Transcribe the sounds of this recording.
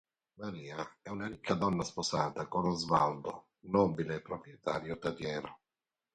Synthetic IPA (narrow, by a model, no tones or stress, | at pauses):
maɾiːaɛunaɾikʰːad̪ɔnːasposaːt̪akonozvald̪o | nɔːbileːpːɾopɾjɛt̪ʰaːɾjot̪ad̪jɛːɾo